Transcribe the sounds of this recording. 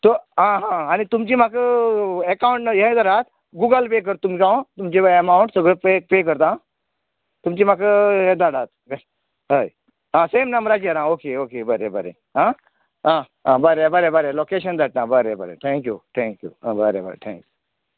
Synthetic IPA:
t̪oɦãɦãanit̪umt͡ɕiːmakəekawũɳʈnəjẽd̪aɽat̪ | ɡuɡəlpek̬əɾt̪ːumikãõt̪umt͡ɕebemauɳʈsəɡɭəpepek̬əɾt̪ã | t̪umt͡ɕiːmakəɦed̪aɽat̪̚be | ɦəj | ɦãsemnamɾad͡ʑiəɾãokeokebəɾebəɾḛ | ɦã | ɦã | ɦãbəɾebəɾebəɾelokeɕənd̪aʈ̚nabəɾebə̰ɾḛt̪ʰɛ̃ŋkjut̪ʰɛ̃ŋkjṵãbəɾḛbə̰ɾḛt̪ʰɛ̰̃ŋku

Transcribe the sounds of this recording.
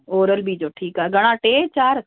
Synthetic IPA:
oːɾəlbʱid͡ʑoːʈʰiːkaːɦeɡʱɐɽ̃ãʈeːt͡ɕaːɾ

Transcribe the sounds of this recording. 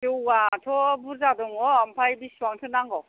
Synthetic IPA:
tewatʰɔbuɾzadɔŋɔampʰajbiswaŋtʰɯnaŋɡɔ

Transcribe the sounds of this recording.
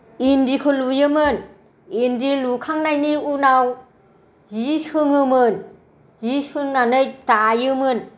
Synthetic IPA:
indikʰɯlujɯmɯn | indilukʰaŋnajniunaw | zishɯŋɯmɯn | zishɯŋnanɯjtajɯmɯn

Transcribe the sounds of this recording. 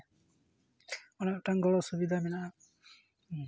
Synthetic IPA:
ɔnaʔʈaŋɡɔɭɔsubid̪ʱamɛnaʔa

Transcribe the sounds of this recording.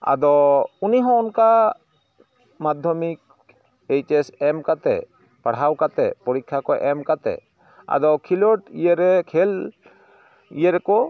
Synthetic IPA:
a̰d̪ɔuniɦɔ̃unka | mad̪ʱjɔmik̚ | ejt͡ʃesɛmkat̪ɛ̰ | paɽ̤awkat̪ɛ̰pɔɾikʰːakɔʔɛmkat̪ɛ̰ | a̰d̪ɔkʰiloʈijeɾɛkʰɛl | ḭjeɾɛkɔ

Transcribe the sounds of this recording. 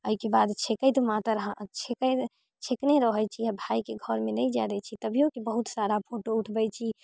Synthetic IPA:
əikebad̪t͡ʃʰekəjt̪mat̪əɾɦãt͡ʃʰekə | t͡ʃʰekneɾəɦəjt͡ʃʰiabʱajkeɡʱɔɾmenəjd͡ʒad̪ɛt͡ʃʰit̪əbʱijokebəɦut̪saɾapʰoʈouʈʰbəjt͡ʃʰi

